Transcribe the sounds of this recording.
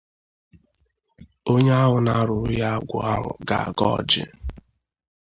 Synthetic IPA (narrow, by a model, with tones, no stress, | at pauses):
o˦ɲe˦a˦ɦʊ˨na˦ɾʊ˨ɾʊ˦ja˦ɡʷʊ˨a˦ɦʊ̰˨ɡa̰˨a̰˨ɡɔ̰˦˨d͡ʒɪ̰˦